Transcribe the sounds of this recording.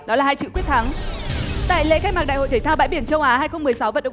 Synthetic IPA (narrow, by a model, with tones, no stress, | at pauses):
ɗɔ˨˦laː˨˩haː˧jt͡ɕɨ̰˧˨kwi˦˥ət̚t̪ʰa˨˦ŋ | t̪a̰ː˧˨jlḛ˧˥xa˦˥k̚maː˨˩ɗa̰ː˧˨ho̰˧˨t̪ʰːt̪ʰaː˧wɓa̰ː˧˥jɓi˧˩nt͡ɕə˧wʔaː˨˦haː˧jxə˧wŋ͡mmɨ˨˩əjsa˨˦wvə̰˧˨nɗə̰˧˨